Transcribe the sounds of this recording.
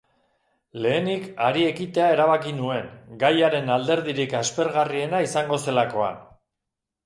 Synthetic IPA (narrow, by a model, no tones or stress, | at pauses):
le̞ːnikaɾie̞kit̪e̞ae̞ɾaβ̞akinue̞ŋɡajaɾe̞nald̪e̞ɾð̞iɾikaspe̞ɾɣarie̞naisaŋɡo̞se̞lako̞a̰n